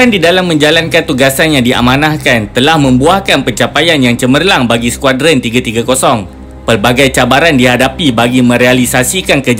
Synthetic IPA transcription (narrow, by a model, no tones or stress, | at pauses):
andidalamːə̃ɲd͡ʒalankant̪uɡasanjaŋdiʔa̰mãnahkant̪əlahmə̃mbuahkanpəɲt͡ʃapajanjaŋt͡ʃəmərlaŋbaɡisə̥kwadɾənt̪iɡat̪iɡakosɔŋ | pərbaɡajt͡ʃabaɾandiɦadapibaɡimə̃ɾealisasikankəd͡ʒ